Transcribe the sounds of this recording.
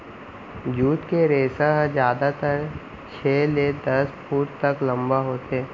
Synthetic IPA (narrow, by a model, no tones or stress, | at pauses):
d͡ʒuːt̪keɾeːsaɦd͡ʒjaːd̪at̪əɾ | t͡ʃʰeːled̪ɐsfuːʈt̪ɐklɐ̃mbaɦoːt̪eː